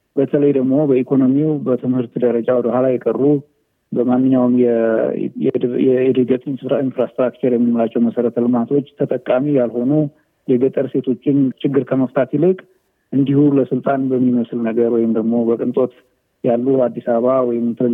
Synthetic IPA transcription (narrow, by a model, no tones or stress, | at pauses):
bət̪ʰələjd̪əɡmo̞bəikʰo̞no̞miubət̪ʰɨmhɨɾt̪d̪əɾəd͡ʒawɔd̪əhalajɛkʼərːu | bəmanːɨɲːawmjɛ | ɛɛd̪ɨɡət̪ʼɪnsɨfɾainfɾast̪ɾakt͡ʃəɾjɛmːɨnməlat͡ʃːɛwməsəɾət̪ʰəlɨmat̪ʰo̞t͡ʃːt̪ʰət̪ʼəkʼːamijalho̞nu | jɛɡət̪ʼəɾse̞t̪ʰo̞t͡ʃːɪnt͡ʃʰɪɡːɨɾkʰəməft̪ʰat̪jɪlɨkʼ | ʔɨnd̪ihuləsɨlt̪ʼanbəmːiməslnəɡəɾwɔjɪmd̪əɡmo̞bəkʼɨnt̪ʼo̞t̪ | jalːuad̪ːisaβawɔjɪmt̪ʰə